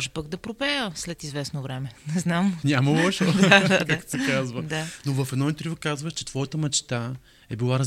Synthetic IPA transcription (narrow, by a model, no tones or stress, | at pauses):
ɔʒɛpaɡd̪ɐpɾopɛjəslɛt̪izvɛsnovɾɛmɛnɛznamnʲamɐlˠɔʃd̪ad̪adkaksɛkazvəd̪anovɐfɛd̪nɔint̪ɾivokazvəʃt͡ʃɛt̪v̥ɔjət̪əmɐt͡ʃt̪a | ɛbilˠaɾɐz